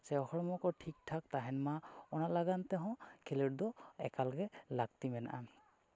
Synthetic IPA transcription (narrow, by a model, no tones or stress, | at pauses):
sɛɔxɔɹɔmɔkɔɹtʰik̚tʰak̚taɦɛnmaɔnalaɡantɛɦɔ̃kʰeledɔɛkalɔkɛlaɡ̚timɛna̰ʔa